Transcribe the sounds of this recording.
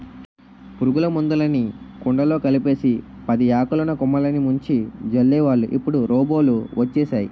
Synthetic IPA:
puɾuɡulɐmund̪ulɐnikuɳɖɐlo̞ːkɐlipe̞ːsi | pɐd̪iaːkulɐnɐkumːɐlɐnimuɲt͡ʃid͡ʒɐlːɛːʋaːɭːuʔipːuɽuɾʔɔːbo̞ːluʋɐt͡ʃːɛːʃaːji

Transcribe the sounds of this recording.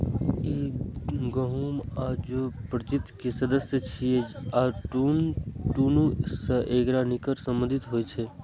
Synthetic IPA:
i | ɡəɦuːmaːd͡ʒopɾət͡ʃit̪ːkesəd̪əsjət͡ʃʰieaːʈunʈuːnusəʔeːɡɾanikəɾsə̃mbənd̪ʱɪt̪ɦoːet͡ʃʰe

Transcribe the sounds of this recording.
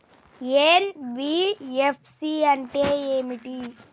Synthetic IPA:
enbiepʰsiɐɳʈeeːmiʈi

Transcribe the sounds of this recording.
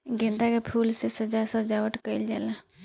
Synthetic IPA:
ɡẽnt̪akepʰuːlsesəd͡ʒasə̃d͡ʒaʋəʈkəɪld͡ʒalə

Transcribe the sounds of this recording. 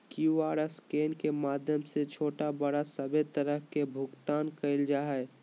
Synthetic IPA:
kjuaːɾəskeːnkemaːd̪ʱjəmset͡ʃʰoːʈabəɽasəbʱet̪əɾəɦkebʱʊɡt̪aːnkəɪld͡ʒaːɦɛe

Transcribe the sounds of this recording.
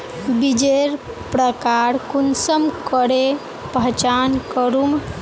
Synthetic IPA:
bid͡ʒeɾ | pɾəkaɾkunsəmkəɽe | pəɦt͡ʃankəɾum

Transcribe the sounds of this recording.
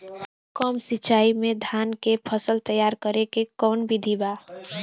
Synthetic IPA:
kɔmsitːt͡ʃaimed̪ʱankepʰəsəlt̪əjaɾkəɾekekɔnbid̪ʱiba

